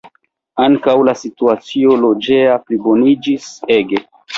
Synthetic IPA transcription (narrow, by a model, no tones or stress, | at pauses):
aŋkawlasituat͡sio̞lo̞d͡ʒe̞aplibo̞nid͡ʒise̞ɡe̞